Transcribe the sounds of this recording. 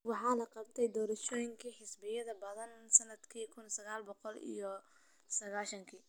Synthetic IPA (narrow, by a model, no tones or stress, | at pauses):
wɑħɑːlɐqɑb̚t̪ʰɛjd̪ɔːɾɐʃɔːjɪŋkʰiħɪsbɪjɐðɐbɐðɐnsɐnːɐd̪kʰiːkʰʊnsɐɣaːlbɔqɔlḭjɔ | sɐɣaːʃɐŋkʰiː